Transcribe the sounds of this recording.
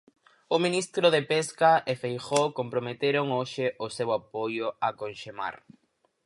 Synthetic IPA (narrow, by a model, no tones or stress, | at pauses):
ʊmĩnist̪ɾʊðepeskaefejxokompɾomet̪eɾoŋoʃɪʔʊsewapojʊakonʃema̰ɾ